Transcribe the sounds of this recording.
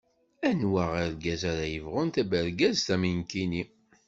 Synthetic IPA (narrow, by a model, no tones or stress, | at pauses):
ænwæʁiɾɡæzaɾajəvʁʊnt̪æbəɾɡæzt̪æminkini